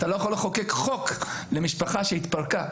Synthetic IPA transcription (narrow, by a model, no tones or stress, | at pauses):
t̪alojaχoleχokekχo̞k | lemiʃpaχaʃeit̪paʁka